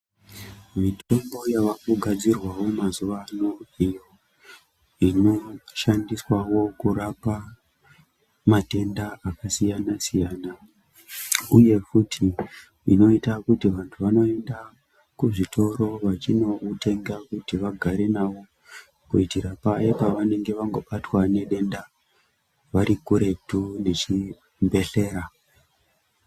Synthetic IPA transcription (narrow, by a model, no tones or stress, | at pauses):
mitʰo̞mbo̞jaʋakuɡʱad͡zirwawo̞mazuʋanoijo̞ | ino̞ʃandiswawo̞kuɾapa | mate̞ndaakasijanasijaːna | uje̞futʰi | ḭno̞itakutiʋantʰuʋano̞e̞nda | kuʐitʰo̞ɾo̞ʋat͡ʃino̞utʰe̞ŋɡakutiʋaɡʱaɾe̞naʋo̞ | kuitiɾapajepaʋane̞ŋɡe̞ʋaŋɡo̞ɓatwane̞ɗe̞nda | ʋaɾikuɾe̞p̚tune̞t͡ʃi | mbe̞ɬe̞ːɾa